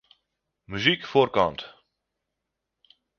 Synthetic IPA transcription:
myzikfoːrkɑnt̪

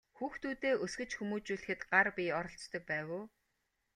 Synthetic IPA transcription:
xuːxt̪ʰuːt̪eːʔɵsɡɘ̆t͡ɕxumuːt͡ɕuːɮɘ̆xɘ̆t̪ɢarpʲiɔɾɞ̆ɬt͡st̪ɞ̆k̚pæːwoː

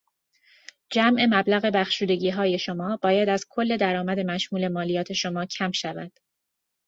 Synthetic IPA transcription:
d͡ʒæmʔe̞mæblæɣe̞bæxʃuːd̪e̞ɟiːɦɒːje̞ʃomɒːbɒːjæd̪æz̥kʰo̞lːe̞d̪æɾɒːmæd̪e̞mæʃmuːle̞mɒːlijɒːt̪ʰe̞ʃo̞mɒːcʰæmʃævæ̰d̪̥

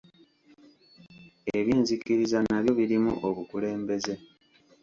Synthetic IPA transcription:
eβiːnzikiɾizanaβjo̞βiɾimṵʔoβukule̞ːmbe̞ze̞

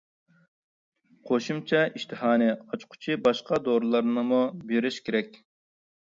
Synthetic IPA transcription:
qʰoʃumt͡ʃʰɑʔiʃt̪ʰɨhɑːnɛɑt͡ʃqʰʊ̥t͡ʃʰibɑʃqɑd̪oɾlˠɑɾnɨmubeɾɪʃkʲeɾɛkʲ

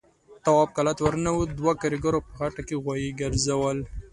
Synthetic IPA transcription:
t̪awɑb̚kalat̪waɾnawud̪wakaɾiɡaɾopəɣaʈakeɣwajiɡəɾzawəl

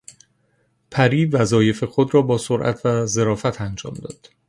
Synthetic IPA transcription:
pʰæɾiːvæzɒːje̞fe̞xod̪rɒːbɒːsoɾʔæ̰t̪ʰvæze̞ɾɒːfæt̪ʰænd͡ʒɒ̰ːmd̪ɒːd̪̥

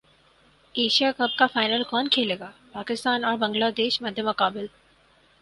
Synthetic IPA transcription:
eːʃijakɐb̚kafaːɪnəlkɔːnkʰeːleːɡaːpaːkɪst̪aːnɔːɾbɐ̃ŋɡlaːd̪eːʃmɐd̪ʱjəmʊqaːbɪl

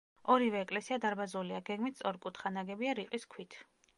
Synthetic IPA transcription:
ɔɾivɛːkʼlɛsiad̪aɾbazuliaɡɛɡmit̪̚ʰsʼɔɾkʼut̪ʰχanaɡɛbiaɾiqʼiskʰwit̪ʰ

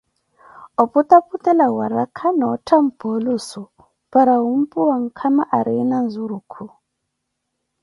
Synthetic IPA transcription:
ɔput̪aput̪ʼɛlawaɾakʰanɔtʰam̩pɔlusu | paɾaum̩pʼuwaŋ̩kʰamaʔaɾinanzuɾukʰu

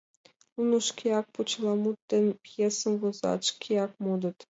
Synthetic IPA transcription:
unuʃkʲeɑk̚put͡ɕlɑmut̪ːenpjesə̆mvozɑ̰t̪ʃkʲʰeɑkmod̪ət̪

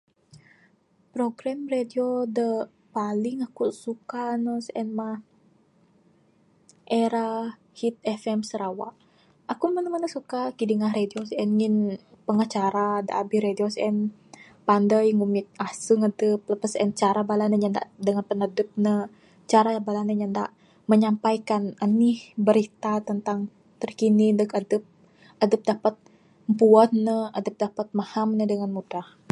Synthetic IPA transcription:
pɾoɡɾamrediodə | palɪŋakusukanəsʔɛnmah | ʔeɾa | hit̪̚ɛfɛmsəɾawaʔ | ʔakumənəmənəsukakidiŋahɾediosɛnŋinpəŋət͡ʃaɾadəʔabihɾediosɛn | pandəjŋumɪt̪̚asuŋadəp̚ləpasɛ̰nt͡ʃaɾabalahnəɲanda̰ʔdəŋanpənadəp̚nə | t͡ʃaɾabalanəɲanda̰ʔ | məɲampajkananihbəɾit̪at̪ənt̪aŋ | t̪ərkinindəkadəp̚ | adəp̚dapat̪̚ | mpuat̪nəadəp̚dapat̪̚mahamnədəŋanmudah

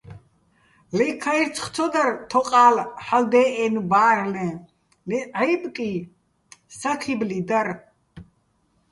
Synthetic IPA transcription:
lɛkʰaiɾt͡sʰχt͡sʰɔd̪aɾt̪ʰɔqʼaːlħald̪ɛːʔɛnbaːɾnɛ | lɛʕabʼkʼi | sakʰiblid̪aɾ

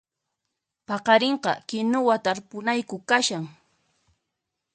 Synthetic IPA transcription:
pɑqɑɾeɴqɑ̰kɪnʊwat̪aɾpʊnajkʊkaʃaŋ

